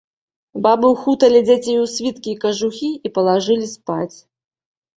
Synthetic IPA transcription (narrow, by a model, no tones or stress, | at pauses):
babɨwxut̪ɐlʲid͡zʲat͡sʲejuwsʲvʲit̪kʲiːkɐʐuxʲiipɐlˠaʐɨlʲispat͡sʲ